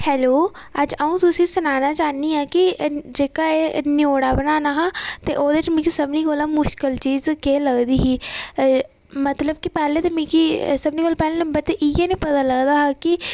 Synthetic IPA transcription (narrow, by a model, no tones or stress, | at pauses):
hɛːloː | əd͡ʒəũːt̪ʊsĩːsʊnaːnaːt͡ʃaːniːaːkɪd͡ʒeːkaːeːnjoːɽaːbənaːnaːɦat̪ḛːʔoːd̪eːɪt͡ʃmĩːkisəbniːkoːlaːmʊʃkəlt͡ʃiːzkeːləɡd̪iːɦiː | mət̪ləbkipɛːleːt̪eːmĩːkisəbniːkoːlapɛːleːnəmbəɾt̪eʔɪjeːnẽːpət̪aːləɡd̪aːɦaːkɪ